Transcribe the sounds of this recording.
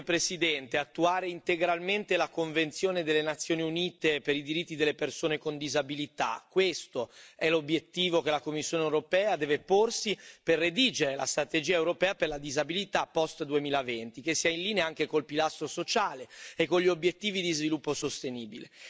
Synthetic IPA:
pɾesid̪ɛnt̪eat̪ːuaːɾeint̪eɡɾalment̪elakoɱvent̪sjoːned̪elːenat̪sːjoːniuniːt̪epeɾid̪iɾit̪ːid̪elːepersoːnekond̪izabilit̪a̰kwest̪oɛlobjet̪ːiːvok̟elakomːisːjoːnewɾopɛːad̪ɛːveporsiperːed̪iːd͡ʒeɾela̰st̪ɾat̪ed͡ʒiːaewɾopɛːaperlad̪izabilit̪apːɔst̪d̪uemiːlavent̪ikesːiainliːneaŋk̟ekolpilast̪ɾosot͡ʃaːleekːoɲʎːiobjet̪ːiːvid̪izvilupːosost̪eniːbile

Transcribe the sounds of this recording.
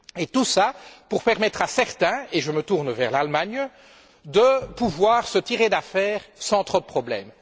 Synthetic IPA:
et̪usapuʁpɛʁmɛt̪χasɛʁt̪ɛ̃eʒəmət̪uʁnvɛʁlalmaɲ | d̪əpuvwaːʁsət̪iʁed̪afɛːʁsɑ̃t̪χod̪əpχɔblɛ̰ːm

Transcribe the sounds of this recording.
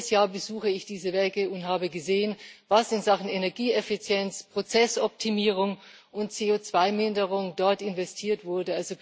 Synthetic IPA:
sjaːɐbəzuːxəɪçd̥iːzəvɛkəʊntɦaːbəɡəzeːənvasɪnzaχn̩enɛɐɡiːɛfit͡sjɛnt͡spʁ̥ot͡sɛsɔp̚tʰimiːʁ̞ʊŋ | ʔʊntt͡seːot͡sv̥aɪmɪndəʁ̞ʊŋdɔɐtɪnvɛstʰiːɐtv̥ʊɐdəalzo

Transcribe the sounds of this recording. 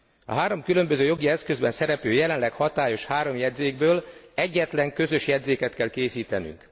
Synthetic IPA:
ɒ̰ɦaːɾo̞mkylø̞mbøzøːjo̞ɡiɛskø̞zbɛnsɛɾɛpøːjɛlɛnlɛkhɒt̪aːjo̞ʃhaːɾo̞mjɛd̪zeːɡ̚bøːlɛɟːɛt̪lɛŋkø̞zø̞ʃjɛd̪zeːkɛt̪kɛlkeːsiːt̪ɛny̰ŋk

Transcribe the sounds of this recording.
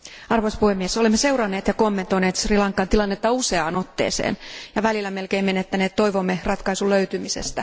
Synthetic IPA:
ɑrʋoispuhemːieso̞lemːese̞urɑnːeːt̪jɑkomːe̞nt̪oineːt̪srilɑŋkːˑɑnt̪ilɑnːet̪ːɑuseɑːno̞t̪ːḛːsḛːnjɑʋælilːæme̞lkeimenet̪ːæneːt̪t̪ːo̞jʋomːerɑt̪kɑisuløyt̪ymise̞̰st̪æ

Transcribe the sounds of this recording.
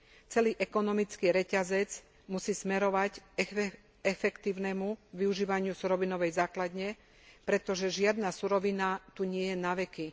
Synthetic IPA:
t͡sɛliːʔɛkɔnɔmit͡skiːɾɛcazɛd͡z | musiːsmɛɾɔʋac | ɛfɛkt̪iːʊnɛmuʋiuʒiːʋaɲɪusuɾɔʋinɔʋɛjzaːklad̪ɲɛ | pɾɛt̪ɔʒɛʒɪad̪nasuɾɔʋinat̪uɲɪɛjɛnaʋɛki

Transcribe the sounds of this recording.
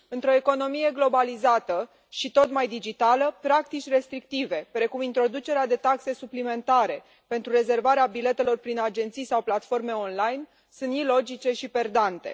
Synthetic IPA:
ɨnt̪ɾo̞e̞ko̞no̞mije̞ɡlo̞balizat̪ə | ʃit̪o̞t̪majd̪id͡ʒit̪aləpɾak̚t̪it͡ʃʲre̞st̪ɾik̚t̪ive̞pɾe̞kumint̪ɾo̞d̪ut͡ʃe̞ɾead̪e̞t̪akse̞suplime̞nt̪aɾe̞ | pe̞nt̪ɾure̞ze̞rvaɾeabile̞t̪e̞lo̞rpɾinad͡ʒe̞nt̪sijsawplat̪fo̞rme̞o̞nlajn | sɨnt̪ilo̞d͡ʒit͡ʃe̞ʃipe̞rd̪ant̪e̞̰

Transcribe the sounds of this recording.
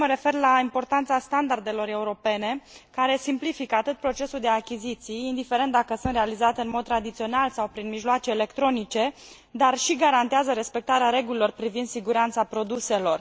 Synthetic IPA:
məɾe̞fe̞rlaimpo̞rt̪ant̪sast̪and̪ard̪e̞lo̞ɾe̞uɾo̞pe̞ne̞kaɾe̞simplifikəat̪ɨt̪̚pɾo̞t͡ʃe̞suld̪e̞akʲizit̪sijind̪ifeɾe̞nt̪̚d̪akəsunt̪ɾe̞alizat̪eɨnmod̪̚t̪ɾad̪it̪sio̞nalsawpɾinmiʒloat͡ʃe̞ːle̞kt̪ɾo̞nit͡ʃe̞ | d̪arʃiɡaɾant̪eazəɾe̞spe̞k̚t̪aɾeaɾe̞ɡulilo̞rpɾivind̪siɡuɾant̪sapɾo̞d̪use̞lo̞r

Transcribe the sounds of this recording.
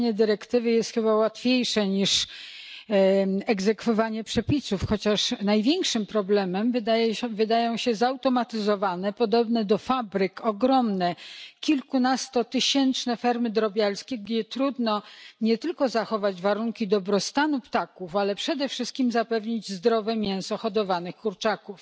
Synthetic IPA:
ɲɛd̪ɘɾɛkt̪ɘvɘjɛst̪xɘbawat̪fʲjejʂɛɲiʂ | ɛɡzɛkfɔvaɲɛpʂɛpʲisufxɔt͡ɕaʂnajvʲjɛŋkʂɘmpɾɔblɛmɛmvd̪vɘd̪ajɔ̃w̃ɕɛzawt̪ɔmat̪ɘzɔvanɛpɔd̪ɔbnɛd̪ɔfabɾɘkɔɡɾɔmnɛkʲilkunast̪ɔt̪ɘɕɛnt͡ʂnɛfɛɾmɘd̪ɾɔbʲjalskʲɛɡd͡ʑɛt̪ɾud̪nɔɲɛt̪ɘlkɔzaxɔvad͡ʑvaɾuŋkʲid̪ɔbɾɔst̪anupt̪akufalɛpʂɛd̪ɛfʂɘst̪kʲimzapɛvɲid͡ʑzd̪ɾɔvɛmʲjɛ̃w̃sɔxɔd̪ɔvanɘxkuɾt͡ʂakuf

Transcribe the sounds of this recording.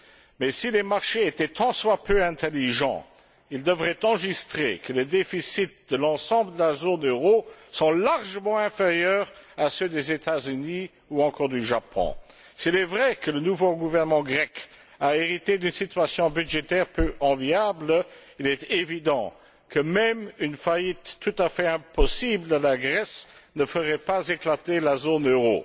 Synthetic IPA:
mɛsilemaʁʃeet̪ɛt̪ɑ̃swapʰøɛ̃t̪eliʒɑ̰̃ | ild̪əvʁɛt̪ɑ̃ʒist̪χḛkəled̪efisit̪̚d̪əlɑ̃sɑ̃bləd̪əlazonøʁosɔ̃laʁʒəmɑ̃ɛ̃feʁjœːʁ | asød̪ezet̪ʰazyni | uɑ̃kɔʁd̪yʒapʰɔ̰̃ | silɛvʁɛkələnuvoɡuvɛʁnəmɑ̃ɡʁɛk | aeʁit̪ed̪ynsit̪ɥasjɔ̃byd̪ʒet̪ɛʁpøʔɑ̃vjabl | ilɛt̪evid̪ɑ̰̃ | kʰəmɛmynfajit̪ːut̪afɛɛ̃pɔsiblalaɡʁɛsnəfəʁɛpazeklat̪elazonøʁo̰

